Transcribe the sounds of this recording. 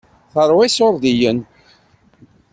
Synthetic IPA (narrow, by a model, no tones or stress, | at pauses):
θəɾˤwæsoɾˤðijən